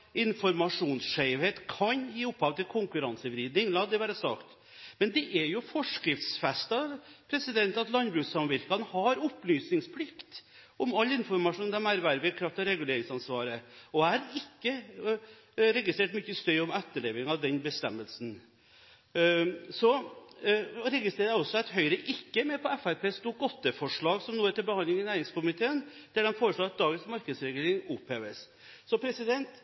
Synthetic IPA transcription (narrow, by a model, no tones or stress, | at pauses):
ɪnfɔɾmɑʂuːnsʂeɪʋheːt̪kʰɑɲjiːʊpʰːɑʋt̪ʰɪlkʰʊŋkʉɾɑnsəʋɾiːd̪nɪŋlɑd̪ɛʋæːɾəsɑkt̪ | mɛnd̪ɛʔɛɾjʊfɔʂkɾɪft̪sfɛst̪ɑpʰɾɛsɪd̪ɛnt̪ɑt̪lɑnbɾʉːsɑmʋɪɾkɑnəhɑɾʊplyːsnɪŋspʰlɪkt̪ | ɔmɑlːɪnfɔɾmɑʂuːnd̪ɛmæɾʋæɾʋɪkʰɾɑft̪ɔɾɛɡʉleːɾɪŋsɑnsʋɑːɾəɔæɾɪkːə | ɾɛɡɪst̪ɾeːʈmʏçːəst̪œʏʊmɛt̪ːəɭeːʋɪŋɑd̪ɛnbəst̪ɛmːəlsn | sɔ | ɾɛɡɪst̪ɾeːɾəjɛɔsːɔæɪt̪ɦœʏɾəʔɪkːəmɛpʰɔɛfæɾpʰeːst̪uːɡɔt̪ːəfɔʂɭɑːɡsɔmnuːɛt̪ɪlbəhɑnlɪŋɪnæɪɾɪŋskʊmɪt̪ʰeːən | d̪̥ɛɖɛnfoːɾəʂɭoːɑt̪̚d̪ɑːɡənsmɑɾkəsɾɛɡeːɾɪŋʊpheːʋəs | sɔpʰɾɛsɪd̪ɛnt̪